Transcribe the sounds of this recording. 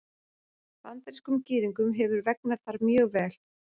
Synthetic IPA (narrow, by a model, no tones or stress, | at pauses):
vant̪ɛɾskʏmcɪːðiŋkʏmɦɛvʏɾvɛk̚naðθaɾmjœːɣvɛːl̥